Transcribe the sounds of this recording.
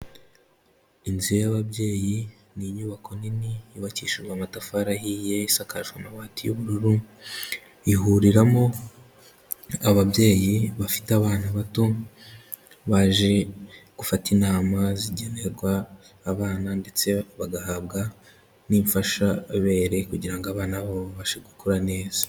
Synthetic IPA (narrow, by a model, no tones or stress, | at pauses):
inziejaβaβje̞ːji | niɲuːβako̞niniːβaciːʃiɾɡwamatafaɾahiːje̞isakaʒanawaːtijuβuɾuɾu | iɦuɾiɾamo̞ | aβabje̞ːjiβafi̥taβaːnaβato̞ | βaʒe̞ɡ̥ufatinaːmaziɟe̞ne̞ɾɡwaː | βaːnande̞t͡se̞βaɡahaβɡa | niɱfaʃaβe̞ːɾe̞kuɟiɾaŋɡoaβaːnaβoββaʃeɡukʰoɾane̞ːz̥ḁ